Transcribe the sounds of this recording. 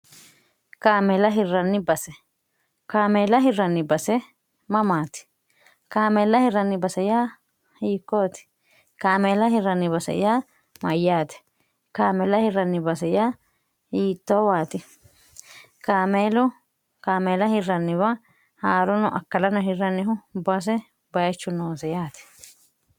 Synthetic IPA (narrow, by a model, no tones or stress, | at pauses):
kaːmɛlɐɦɪrːɐnːɪbɐsɛ | kaːmeːlɐɦɪrːɐnːɪbɐsɛ | mɐmaːt̪ɪ̥ | kaːmeːlɐhɪrɐnːɪbɐsɐjaː | hiːkːoːt̪ɪ̥ | kaːmeːlɐhɪrːɐnːɪβɐsɐ̰jaː | mɐjːaːt̪ɪ̥ | kaːmɛlɐhɪrːɐnːɪbɐsɛjaː | hiːt̪ːoːwaːt̪ɪ | kaːmeːlʊ | kaːmeːlɐhɪrːɐnːɪβɐ | haːɾɔnɔʔɐkːɐlɐnɔɦɪrːɐnːɪɦʊbɐs̬ɛ | bɐɐt͡ʃːʊnoːsɛjaːt̪ɪ̥